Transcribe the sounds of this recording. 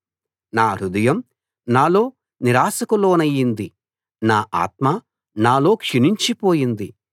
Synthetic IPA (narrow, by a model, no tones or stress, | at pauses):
naːɾud̪ɐjɐm | naːlo̞ː | niɾaːsɐkulo̞ːnɐjːind̪i | naːʔa̰ːt̪̚ma | naːlo̞ːkʂiniɲt͡ʃipo̞ːjind̪i